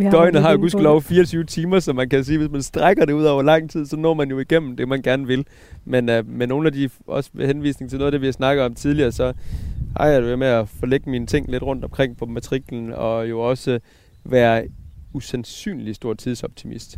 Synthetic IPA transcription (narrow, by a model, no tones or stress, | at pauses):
d̥ɒ̽ɪnəɦhɑ̈joɡusɡ̥lɒʊfiːɐɒt͡sʰyːʊt͡sʰiːmɐsɒ̽mænkʰæs̬iːʋe̝s̬mænsd̥ʁaɡ̥ɐɾ̥e̝uð̰ˠɒ̰ʊɐlɑ̈ŋ̰t͡sʰið̰ˠsɒ̽nɔ̰ːmænjo̝iɡ̥em̰m̩d̥e̝mænɡ̥æɐnəʋe̝l | menømenːo̝ːn̩æd̥iɒ̽sə̥ʋehenʋḭːsne̝ŋ̩t͡sʰe̝loːðˠdeʋiɑ̈ɪsnɑ̈ɡ̥ð̩ˠɒ̽mt͡sʰið̞ˠliɐːsɒ̽hɑ̰ɑ̈d̥eʋemeæfɒ̽leɡ̥əminət͡sʰe̝ŋ̰le̝d̥ʁɔ̽n̰d̥ɒ̽mkʰʁeŋ̰pʰɒ̽mæt͡sʰʁiɡ̥ln̩ɒ̽jo̝ɒ̽sə | ʋæːɐusænsy̰ːnlisd̥o̝ɐ̰d̥̚t͡sʰið̞ˠsɒ̽b̥̚t͡sʰimḭsd̥